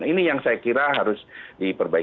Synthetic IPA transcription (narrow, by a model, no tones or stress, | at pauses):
inijaŋsajakiɾaɦaɾʊsdipərbai